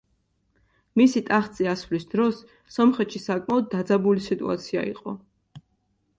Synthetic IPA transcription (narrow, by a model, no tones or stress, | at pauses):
misit̪ʼaχt̪sʼiasvlisd̪̥ɾɔsː | ɔmχɛt̪ʃisakʼmaɔd̪ːad̪zabulisit̪ʼṵa̰t̪sʰia̰ḭqʼɔ̰